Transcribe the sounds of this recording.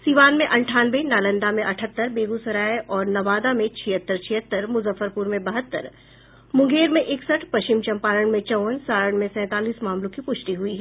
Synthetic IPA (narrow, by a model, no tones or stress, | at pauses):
siːʋaːnmẽʔɐ̃ɳʈʰaːnʋenaːlə̃nd̪amẽʔɐʈʰət̪ːəɾbeːɡusɐɾaːeʔɔːɾnɐʋaːd̪amẽt͡ʃʰijət̪ːəɾt͡ʃʰɪɦət̪ːəɾmʊzəfːəɾpuɾmẽbɐɦət̪ːə̰ɾ | mʊ̃ŋɡeːɾmẽʔɪksəʈʰpɐʃt͡ʃɪmt͡ʃɐ̃mpaːɾəɽ̃mẽt͡ʃɐʋnsaːɾəɽ̃mẽsɛ̃ːt̪aːliːsmaːmlõkipʊʃʈiɦʊiɦɛː